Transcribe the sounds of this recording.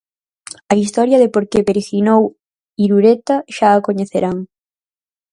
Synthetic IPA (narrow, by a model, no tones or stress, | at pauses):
ɐist̪ɔɾjɐðepoɾkeβeɾexinow | iɾuɾet̪ɐʃaːkoɲeθeɾaŋ